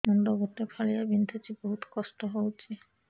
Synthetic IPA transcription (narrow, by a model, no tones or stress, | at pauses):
mɔnɖɔɡɔt̪epʰalijabind̪ʱot͡ʃʰiboɦut̪kɔstɔɦowt͡ʃʰi